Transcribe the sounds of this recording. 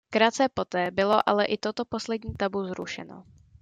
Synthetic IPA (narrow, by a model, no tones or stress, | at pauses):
kɾat̪t͡sɛpo̞t̪ɛːbɪloʔa̰lɛʔɪt̪ot̪o̞po̞slɛdɲiːt̪abuzɾuʃɛ̰no̰